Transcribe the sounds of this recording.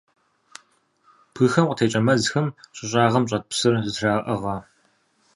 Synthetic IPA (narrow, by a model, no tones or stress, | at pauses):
pʰɨxɐmqʷʼətʰeːt͡ʃʼɐmɐzxɐmɕʼɪɕʼaːʁɐmɕʼɐt̚psɨrzɨtʰraːʔɐʁɐː